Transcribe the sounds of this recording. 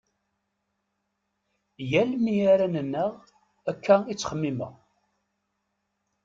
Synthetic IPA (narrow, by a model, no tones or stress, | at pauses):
jælmijaɾænənːəʁ | ækːæit͡sːχəmːimə̰ʁ